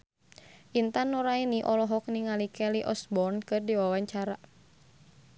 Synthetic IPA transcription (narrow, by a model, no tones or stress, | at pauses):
ʔint̪anuɾainiʔɔlɔɦɔk̚niŋalikɛliʔɔsbɔrnkɨrdiwawaɲt͡ʃaɾa